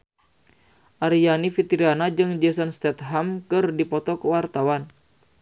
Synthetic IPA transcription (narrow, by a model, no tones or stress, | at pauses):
ʔaɾijanifit̪iɾianad͡ʒɨŋd͡ʒɛsanst̪ɛt̪̚ɦamkɨrdipɔt̪ɔkəwart̪awan